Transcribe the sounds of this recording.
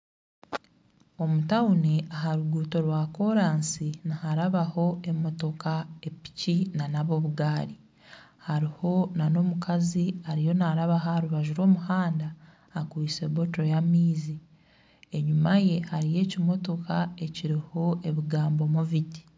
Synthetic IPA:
o̞mutawuneʔaɦaɾuɡuːto̞ɾwako̞ɾaːnsinihaɾaβaho̞e̞mo̞to̞kae̞pi̥cinanaβo̞βuɡaːɾi | haɾiho̞nano̞mukʰaziaɾijo̞naɾaβaɦaaɾuβaʒuɾo̞ːmuhaːndaː | kwise̞βo̞to̞jamiːzi | eɲumaje̞haɾije̞ːcimo̞to̞kae̞ciɾiho̞e̞βiɡaːmbo̞muviti̥

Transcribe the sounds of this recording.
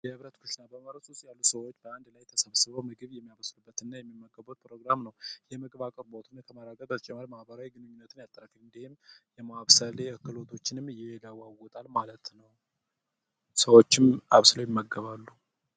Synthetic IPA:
jɛhɨβɾət̪kʰuʃinabəməβɾəsusjalːusəwot͡ʃːbəand̪lajt̪ʰəsəβsɨβəwmɨɡɨβjɛmːijaβəslubːət̪ɨnːajɛmːimːəɡːəβot̪̚pɾo̞ɡɾamnəwjɛmɨɡɨβakʼɨɾbot̪ʰɨnkʰəmaɾaɡəbət̪t͡ʃʼɛmːəɾmahbəɾawiɡɨnɨɲːunːət̪ʰɨnjat̪ʼːəɾəkɨlɨnd̪ihɪmjɛmaaβsəleʔəkːɨlo̞t̪ʰo̞t͡ʃːɪnɨmɨjɛlawawɔt̪ʼalmalət̪nəw | səwot͡ʃːɪmaβsɨləwjɪmːəɡəβalːu

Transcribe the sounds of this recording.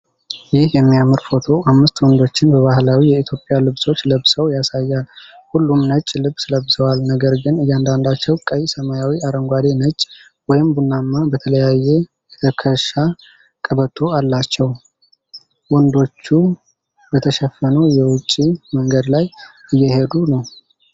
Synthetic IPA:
jɪhjɛmːijamɨɾfo̞t̪ʰo̞ʔamːɨst̪wɔnd̪o̞t͡ʃːɪnbəβaɦlawijɛit̪ʰjo̞pʼːɪjalɨβso̞t͡ʃːləβsəwjasajːal | hulːumnət͡ʃʼːlɨβsləbːsəwalnəɡəɾɡɨnɨjːand̪and̪at͡ʃːɛwkʼəjsəmajawiaɾəŋɡʷad̪e̞nət͡ʃʼ | wɔjɪmbunːamːabət̪ʰələjajːe | əkʰəʃa | kʼəβət̪ʰːo̞alːat͡ʃːɛw | wɔnd̪o̞t͡ʃːu | bət̪ʰəʃɛfːənəwjɛwʊt͡ʃʼːiməŋɡəd̪lajɨjːɛhe̞d̪unəw

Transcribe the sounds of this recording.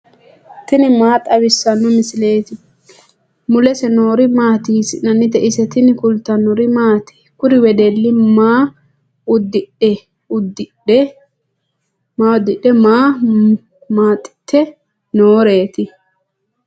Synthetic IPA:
t̪ɪnɪmaːt̪ʼːɐwɪsːɐnːɔmɪsɪleːt̪ɪ | mʊlɛsɛno̞ːɾɪmaːt̪iːsɪnɐnːɪd̪ɛʔɪsɛt̪ɪnɪkʊlt̪ːɐnɔɾɪmaːt̪ɪ̥ | kʊɾɪwɛd̪elːɪmaː | ʊd̪ɪᶑɛ | ʊd̪ɪ | ɛ | maʊd̪ɪɗɛmaː | maːt̪ʼːɪ̥t̪ʰːɛ | noːɾe̞ːt̪ɪ

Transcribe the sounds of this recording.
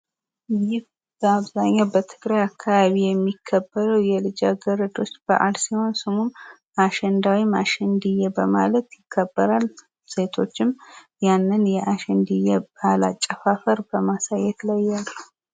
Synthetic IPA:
jɪh | b̥əaβzaɲːabət̪ʰɨɡɾajakʰːaβaβijɛmːikʰːəbːəɾəwjɛlɨd͡ʒaɡəɾəd̪o̞t͡ʃːb̥ə̰ʔa̰lsiho̞nsɨmun | aʃɛnd̪awimaʃɛnd̪ɨjːɛbəmalət̪jɪkʰːəbːəɾal | se̞t̪ʰo̞t͡ʃːɪm | janːɨnjɛʔaʃɛnd̪ɨjɛbalat͡ʃʼːəfafəɾbəmasajːɛt̪ʰlajːalːu

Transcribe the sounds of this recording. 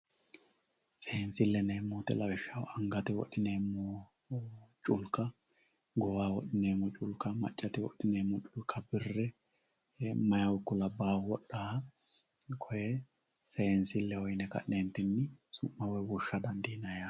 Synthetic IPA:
sɛhɛnsɪlːɛneːmːoːt̪ɪ̰lɐwɪʃːɐwɐŋɡɐt̪ɪwɔ̰ɗːɪneːmːo | t͡ʃʼʊlkːɐ | ɡɔwaːwɔɗɪneːmːɔt͡ʃʼʊlkːɐmɐ̰t͡ʃʼːɐt̪ɪwɔ̰ɗɪneːmːɔt͡ʃʼʊlkʰɐbɪrːɛ | mɐjɐwʊkːɔlɐbːaːwɔɗːaː | kʰɔjɛ | sɛhɛnsɪlːɛhɔjnɛkɐ̰ʔeːnt̪ːɪnːɪsʊmːɐwɛwʊʃːɐd̪ɐnd̪inɐja

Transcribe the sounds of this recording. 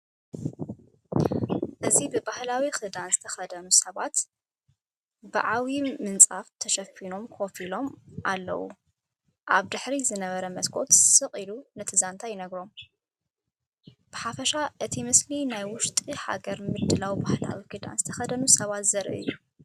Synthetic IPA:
ʔɨzibɨbahlawixɨd̪anzɨt̪ʰɐxɐd̪ɐnusɐβat̪ | ba̰ʕawimɨnt͡sʼaft̪ʰɐʃɐfino̞mkʰofilo̞mʔalːɐ̰wṵ | ʔa̰βd̪ɨħɾizɨnɐβɐɾɐmɐskʰʼo̞̰t̪sɨqʼilunɐt̪ʰɨzant̪ʰajɪnɐɡɾo̞m | b̥ɨħafɐʃaʔɨt̪ʰimɨslinajwʊʃt̪ʼiħa̰ɡɐɾmɨd̪ɨlawbahla̰wikɨd̪a̰nzɨt̪ʰɐxɐd̪ɐnusɐβat̪zɐɾʔɨ̰ɨ̰jːu

